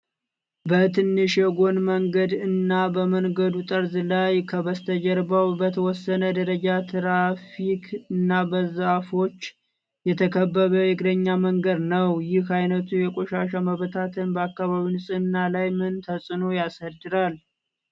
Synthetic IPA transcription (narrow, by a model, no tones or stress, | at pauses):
bət̪ʰɨnːɨʃjɛɡo̞nməŋɡəd̪ɨnːabəməŋɡəd̪ut̪ʼəɾzlajkʰəβəst̪ʰəd͡ʒɛɾbawbət̪ʰəwɔsːənəd̪əɾəd͡ʒat̪ʰɨɾafikʰɨnːabəzafo̞t͡ʃː | jɛt̪ʰəkʰəbːəβəjɪɡʼd̪əɲːaməŋɡəd̪nəwjɪhajnət̪ʰujɛkʼoʃaʃ̬aməβt̪ʰat̪ʰɨnbəakːaβaβinɨsʼɨnːalajmɨnt̪ʰəsʼɨno̞jasəd̪ɨɾal